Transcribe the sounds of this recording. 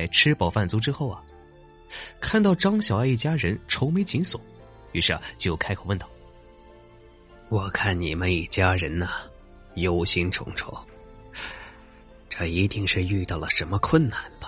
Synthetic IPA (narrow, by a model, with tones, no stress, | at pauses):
ɪʈ͡ʂʰɻ̩˥pɑ˨˩ʊfa˥˩nt͡su˧˥ʈ͡ʂɻ̩˥xo˥˩ʊɐ˩ | kʰa˥˧nt̪ɑ˥˩ʊʈ͡ʂɑ˥ŋɕjɑ˨˩ʊa˧i˥˩t͡ɕja˥ɻə˧˥nʈ͡ʂʰo˧˥ʊme˧˥ɪt͡ɕi˧˥nswɔ˨˦ | y˧˥ʂɻ̩˥˩ɐ̰˩t͡ɕjo˥˧ʊkʰa˥ɪkʰo˨˩ʊwə˥˧nt̪ɑ˥˩ʊ | wɔ˨˩kʰa˥˩nni˨˩mə˦ni˨˩t͡ɕja˥ɻə˧˥nə˨ | jo˧˥ʊɕi˥nʈ͡ʂʰʊ̰˧˥ŋʈ͡ʂʰo̰˥ʊ | ʈ͡ʂə˥˩i˧˥t̪i˥˧ŋʂɻ̩˥˧y˥˧t̪ɑ˥˩lə˩ʂə˧˥nmə˧kʰwə˥˩nna˨˩˦nb̥ɐ̥˦